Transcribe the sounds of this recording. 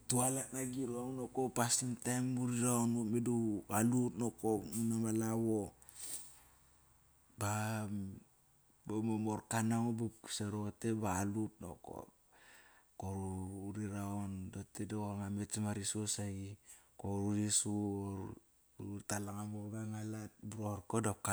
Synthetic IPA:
tualak̚naɡiɾuaunokopasimtajmuɾiɾaonomedualutnokomunamalawo | ba | bomomoɾkanaŋobakseɾote̞baːlut̚no̰ko̰ | koɾuuɾiɾaondotedooŋamesamaɾisosaikoɾuɾisuoɾ | utalaŋamobaŋalat̚buɾoɾkodaka

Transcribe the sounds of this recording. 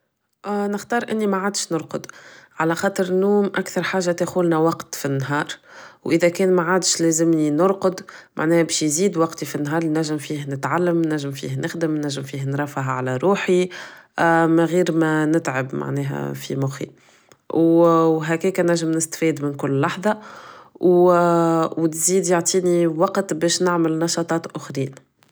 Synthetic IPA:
nɪxt̪ɑːɾˤʔɪnːimɛʕaːd̪ʃnʊɾqʊd̪ʕalæxɑːt̪ˤəɾnːuːmʔækθɑɾˤħaːʒːat̪exuːlnæwɑqt̪finːɦɑːɾˤwʔɪðækɛːnmaʕaːd̪ʃlɛːzɪmninʊɾqʊd̪mʔa̰ʕnɛːhbɛːʃjziːd̪wɑqt̪ifinːɦɑːɾˤinæʒːɪmfiːhnɪt̪ʕalːæmnːæʒːɪmfḭːhnɪxd̪əmnːæʒːɪmfiːhnɾˤɑfaɦʕalæɾˤuːħi | mæɣiːɾmænɪt̪ʕəbma̰ʕnɛːɦɛ̰fḭmʊxḭ | wɦækɛːkænæʒːəmnɪst̪fiːd̪mɪnkʊlːɑħðˤɑw | wt̪ziːd̪jaʕt̪ˤiːniwɑqt̪bɛːʃnɪʕməlnɑʃɑːt̪ˤɑːt̪ʔʊxɾiːn

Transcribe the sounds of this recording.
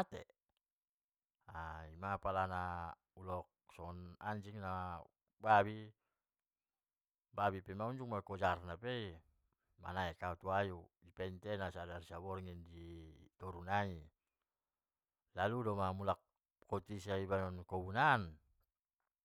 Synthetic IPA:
at̪ḛ | aimapalana | ulɔk | sɔŋɔnaɲd͡ʒiŋna | babi | babipɛmauɲd͡ʒuŋmakɔd͡ʒarnapei | ma̰naɛkaut̪uajudipɛnt̪ɛnasadarisabɔrŋindit̪ɔɾunai | laludɔmamulak | kɔt̪isaibanɔnkɔbunan

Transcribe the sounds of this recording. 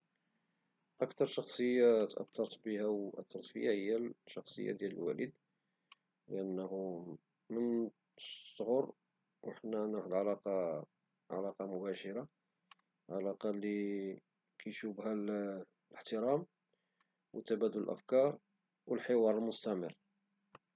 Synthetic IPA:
ʔækt̪ɑɾˤʃɑxsˤəjːat̪ʔæ̰t̪ːɑɾˤt̪bəhæwʔæ̰t̪ːɑɾˤt̪fə̰jːahəjːæʃɑxsˤə̰jːa̰d̪jæləlwæ̰lḭd̪ | ləʔænːhu | mənː | ɣʊɾˤ | wəħnænəħd̪ʕalɑqɑ | ʕa̰lɑqɑmʊbæʃəɾɑ | ʕalɑqɑli | kʰæjʃubɦæl | ləħt̪əɾɑm | wət̪ːæbæd̪ʊləlʔæ̰fkɑɾˤ | wəlħɪwɑɾˤəlmʊst̪æmərː

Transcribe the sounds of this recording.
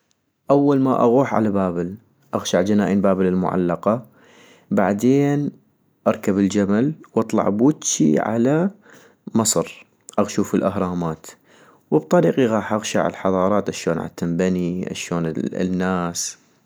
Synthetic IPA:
ʔawːalma̰ʔa̰ɣuːħʕa̰labaːbɪl | ʔaɣʃaʕd͡ʒanaːʔinbaːbɪlɪlmʊ̰ʕa̰lːɑqɑ | baʕd̪eːn | ʔɑɾˤkabɪld͡ʒamalwʔɑt̪ˤlɑ̰ʕbuːt̪t͡ʃḭʕa̰la | mɨsˤɾ | ʔaɣʃuːfɪlʔahɾˤɑːmaːt̪ | wəb̚t̪ˤɑɾiːqiɣɑːħʔaɣʃa̰ʕɪ̰lħɑðˤɑːɾˤɑːt̪ʔaʃoːnʕa̰t̪ːambaniʔa̰ʃoːn̰nːaːs

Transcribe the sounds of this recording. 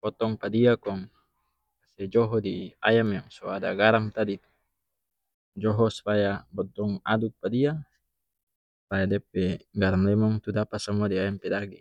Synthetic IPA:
pɔt̪ɔŋpadiakɔŋ | kasɛd͡ʒɔɦɔdiajamjaŋsɔada̰ɡaɾaŋt̪adit̪u̥ | d͡ʒɔɦɔsu̥pajabɔt̪ɔŋa̰duk̚padia | sajadɛp̚ɛɡaɾaŋlɛmɔŋt̪udapasamuadiajampedaɡi

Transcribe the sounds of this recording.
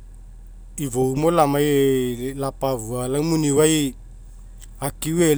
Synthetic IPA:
ivoumolamajlapavualawmuniwaj | akiwe

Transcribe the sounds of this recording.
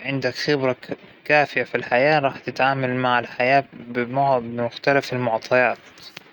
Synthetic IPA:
ʕɪnd̪akxɪbɾakaːfɪjafilħajaːɾˤɑːħt̪ɪt̪ʕaːmalmaʕalħajaːbɪmbɪmʊxt̪alafalmʊʕt̪ˤʰɑjɑːt̪

